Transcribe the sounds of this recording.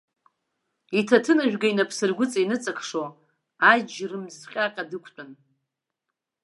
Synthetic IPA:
itʰatʰɨnaʒᶣɡainapʰsɨrɡʷʊt͡sʼainɨt͡sʼakʰʂo | ad͡ʒrɨmzχʲʼaqʲʼadɨkʷʰt͡pʷʼʊn

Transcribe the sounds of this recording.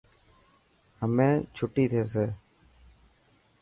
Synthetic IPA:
həmẽːt͡ʃʰʊʈːiːt̪ʰeːseː

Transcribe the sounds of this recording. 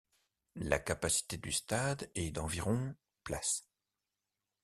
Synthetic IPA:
la̰kapasi̥t̪ed̪yst̪ad̪ɛd̪ɑ̃viʁɔ̃ | plas

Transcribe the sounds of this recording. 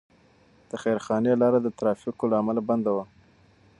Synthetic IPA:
d̪̥əxajɾxɑnelɑɾad̪ət̪ɾɑfikolaːmalaband̪awa

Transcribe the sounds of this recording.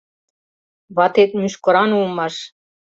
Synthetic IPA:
βɑt̪et̪̚myʃkɤ̆ɾɑnulmɑʃ

